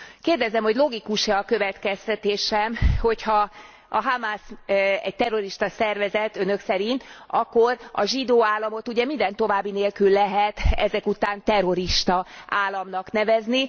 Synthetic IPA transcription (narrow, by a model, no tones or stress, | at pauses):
keːrd̪ɛzɛmho̞ɟlo̞ɡikuʃɛɒkø̞vɛt̪kɛst̪ɛt̪eːʃɛmho̞chɒ | ɒɦamaːsɛ̰ɟ̚t̪ɛrːo̞ɾiʃt̪ɒsɛrvɛzɛt̪ø̞nø̞ksɛɾint̪ɒkːo̞rɒ̰ʒid̪oːaːlːɒmo̞t̪uɟɛmind̪ɛnt̪o̞vaːbːineːlkylːɛɦɛt̪ɛzɛkut̪aːnt̪ɛro̞ɾiʃt̪ɒʔaːlːɒmnɒknɛvɛzni